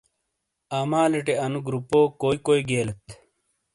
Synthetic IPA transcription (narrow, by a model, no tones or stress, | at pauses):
aːmaːleʈeɐnuɡɾupoːkoːikoːiɡeːlet̪